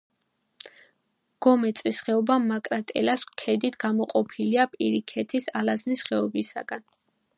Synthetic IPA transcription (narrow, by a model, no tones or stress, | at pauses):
ɡ̥ɔmɛt̪sʼlisχɛɔbamakʼɾat̪ʼɛlaskʰɛd̪it̪ʰɡamɔqʼɔpʰiliapʼiɾikʰɛt̪ʰisalaznisχɛɔbisa̰ɡan